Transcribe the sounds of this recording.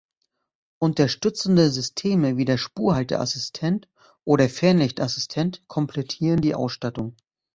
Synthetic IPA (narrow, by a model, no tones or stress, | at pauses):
ʔʊntɐʃtʏt͡sn̩dəzʏstʰeːməviːdeːɐʃpuːɐɦaltə̰ʔa̰sɪstʰɛnt | ʔoːɾɐfɛɐnlɪçtʔasɪ̥stʰɛntkʰɔmpʰlɛtʰiːʁəndiːʔa̰ʊsʃtatʊŋ